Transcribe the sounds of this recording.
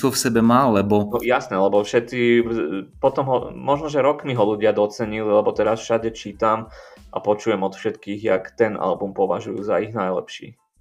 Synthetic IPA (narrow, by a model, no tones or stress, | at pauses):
ufsɛbɛmaːlɛbɔnɔjasnɛlɛbɔfʃɛt̪t͡si | pɔt̪ɔmɦɔmɔʒnɔʒɛɾɔkmiɦɔluɟɪad̪ɔt͡sɛɲililɛbɔt̪ɛɾasʃaɟɛt͡ʃiːt̪amʔa̰pɔt͡ʃujɛmɔt̪fʃɛt̪kiːɣja̰kt̪ɛnʔa̰lbumpɔʋa̰ʒujṵːzaiɣnajlɛ̰pʃḭː